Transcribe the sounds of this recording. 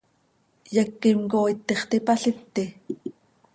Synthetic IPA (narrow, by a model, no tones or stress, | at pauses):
jɛkːimkoːit̪ːeχt̪ipɑɬit̪ːi